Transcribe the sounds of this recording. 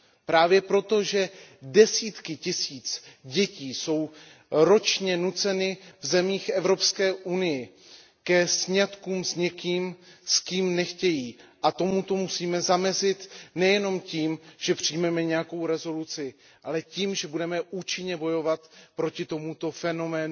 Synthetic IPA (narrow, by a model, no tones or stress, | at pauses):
pɾaːvjɛpɾo̞t̪o̞ʒɛdɛsiːt̪kɪcɪsiːt͡sɟɛciːso̞w | ɾo̞t͡ʃɲɛnut͡sɛnɪvzɛmiːxʔɛvɾo̞pskɛːʔunɪjɪ | kɛsɲat̪kuːmsɲɛkiːmskiːmnɛxcɛjiːʔat̪o̞mut̪o̞musiːmɛzamɛzɪt̪nɛjɛno̞mciːmʒ̥ɛpr̝̥ijmɛmɛɲɛjako̞wɾɛzo̞lut͡sɪ | ʔalɛciːmʒɛbudɛmɛʔuːt͡ʃɪɲɛbo̞jo̞vat̪pɾo̞cɪt̪o̞mut̪o̞fɛno̞mɛːn